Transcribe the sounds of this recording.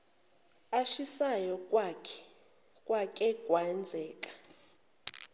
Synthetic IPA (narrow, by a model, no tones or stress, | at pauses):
aʃisajɔkʼwakʰɛ̥ | kʼwakʼɛɡ̥ʼʱwaɛnd͡zʱɛːkʼḁ